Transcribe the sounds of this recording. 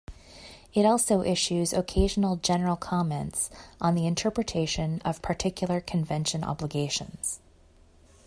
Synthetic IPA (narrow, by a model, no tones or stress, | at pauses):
ɨɾɔlˠsoʊʔɪʃʉzɨkʰeɪʒn̩l̩ˠd͡ʒɛnə˞l̩ˠkʰɑmɛ̃ntsʔn̩ðiɨ̃ntʰɜ˞pɹɨtʰeɪʃɨ̃nʌv̥pʰə˞tʰɪkʰjl̩ˠə˞kʰɨ̃ɱvɛ̃nʃɨ̃nɑ̰bləɡeɪʃɨ̰̃nz̥